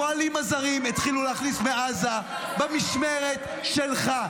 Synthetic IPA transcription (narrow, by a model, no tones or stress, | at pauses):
oalimazaʁimit̪χiluleaχnismeaza | bemiʃmeʁet̪ | ʃelχa